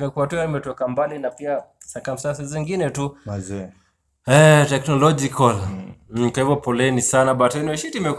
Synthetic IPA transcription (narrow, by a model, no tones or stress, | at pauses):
mɛkuatuanimɛtɔkambalinapia | sakam̩sas̬iziŋɡinɛtu | ɛtɛknɔlɔd͡ʒikɔl̩kwahivjɔpɔlɛnisanaɓatainiɛʃitimɛk